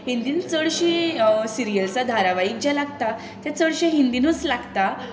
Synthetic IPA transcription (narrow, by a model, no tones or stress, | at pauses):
hind̪iːnt͡səɽɕisiɾijəlt͡sad̪ʱaɾaʋaik̚d͡ʑalaɡt̪a | t̪jat͡səɭɕiɦind̪inut͡slaɡt̪a